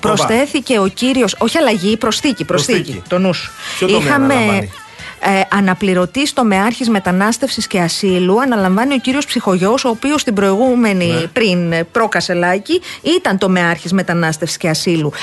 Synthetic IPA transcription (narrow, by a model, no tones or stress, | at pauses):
pɾo̞sθe̞θice̞o̞ciɾio̞so̞çiɐlɐʝipɾo̞sθicipɾosθicḭt̪o̞nusu̥ixɐme̞ | ʔɐnɐpliɾo̞t̪ist̪o̞me̞ɐɾçizme̞t̪ɐnɐst̪e̞fsisce̞ɐsiluɐnɐlɐɱvɐnio̞ciɾio̞spsixo̞ʝo̞soːpiost̪ibɾo̞iɣume̞nipɾinpɾo̞kɐse̞lɐciit̪ɐnt̪o̞me̞ɐɾçizme̞t̪ɐnɐst̪efsi̥sceɐsilu